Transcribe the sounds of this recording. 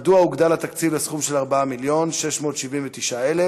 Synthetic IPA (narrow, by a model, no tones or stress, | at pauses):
d̪uauɡd̪alat̪akt͡sivlesχumʃelaʁbaamiljo̞nʃe̞ʃmo̞ːt̪ʃivinvet̪iʃaele